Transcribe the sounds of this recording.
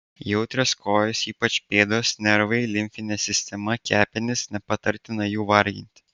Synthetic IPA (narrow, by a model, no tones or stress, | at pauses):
jɛʊt̪ʲɾʲɛskoːjʊsiːpɐt͡ʃpʲeːd̪oːsnʲɛɾʋɐɪlʲɪmʲfʲɪnʲɛsʲɪsʲt̪ʲɛmɐkʲæːpʲɪnʲɪsnʲɛpɐt̪ɐɾʲt̪ʲɪnɐjuːʋɐɾʲɡʲɪ̰nʲt̪ʲɪ